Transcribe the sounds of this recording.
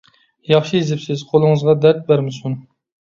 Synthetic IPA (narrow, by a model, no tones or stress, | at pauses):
jɑχʃijezɪpsɪz̥qʰolˠɨŋɨzʁɑd̪æɾt̪̚bæɾmɪsun